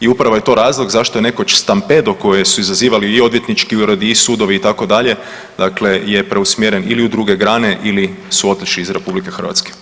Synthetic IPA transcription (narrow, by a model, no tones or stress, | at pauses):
iupɾaʋo̞je̞t̪o̞ɾaːzlˠo̞ɡzaʃt̪oene̞kot͡ʃst̪ampe̞d̪oko̞jesuizaziːʋaliːo̞d̪ʋje̞t̪nit͡ʃkiuɾod̪iisuːd̪o̞ʋiːt̪ako̞d̪aʎe̞ | d̪akle̞jepɾʔe̞usmjeɾeniliud̪ɾuɡe̞ɡɾaːne̞ʔilisuo̞t̪lit͡ʃliːzɾe̞publike̞xr̩ʋa̰t̪ske̥